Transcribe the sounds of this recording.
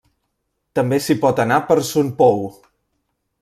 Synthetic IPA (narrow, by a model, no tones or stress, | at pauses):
t̪əmbesipɔt̪ənapəɾsunpɔw